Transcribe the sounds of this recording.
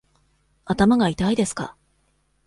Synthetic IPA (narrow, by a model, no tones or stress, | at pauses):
at̪amaɡait̪aid̪e̞sɨ̥ka̰